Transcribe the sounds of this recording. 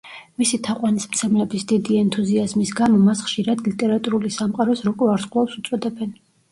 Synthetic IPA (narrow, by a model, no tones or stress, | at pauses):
misit̪ʰaqʼwanismt̪sʰɛmlɛbisd̪id̪iɛnt̪ʰuziazmisɡamɔmasχʃiɾad̪lit̪ʼɛɾat̪ʼuɾulisamqʼaɾɔsɾɔkʼɔaɾsqʼlˠapsut̪sʼɔd̪ɛbɛn